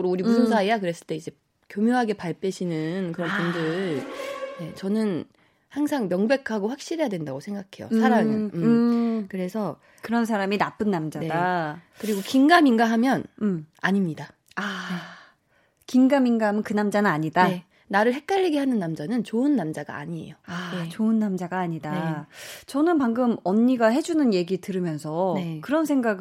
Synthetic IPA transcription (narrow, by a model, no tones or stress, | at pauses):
ɯɾouɾimusʰoŋsʰaejakɯɾe̞s͈ɯɭt͈e̞id͡ʑe̞ | kjomjoɦaɡe̞paɭp͈eɕʰinɯnkɯɾʌnpundɯɭne̞t͡ɕʌnɯn | haŋsʰaŋmjʌŋbe̞kʰaɡoɸak̚ɕ͈iɾɦejadwe̞ndaɡosʰe̞ŋɡakʰe̞jo̰sʰaɾaŋɯnɯmkɯɾe̞sʰʌ | kɯɾʌns̬ʰaɾaminap͈ɯnːamd͡ʑane̞dakɯɾiɡokiŋɡaminɡaɦamjʌnmaɲimɲida | a | kiŋɡaminɡaamɯnkɯnamd͡ʑanɯnaɲidae | naɾɯɭhek̚k͈aʎːiɡeɦanɯnːamd͡ʑanɯnt͡ɕoɯnːamd͡ʑaɡa̰ːɲie̞̰joaet͡ɕoɯnːamd͡ʑaɡaːɲida | t͡ɕʌnɯnpaŋɡɯmʌɲːiɡaɦe̞d͡ʑunɯnje̞ɡitɯɾɯmjʌnsʰʌnekɯɾʌnsʰe̞ŋɡaɡɯ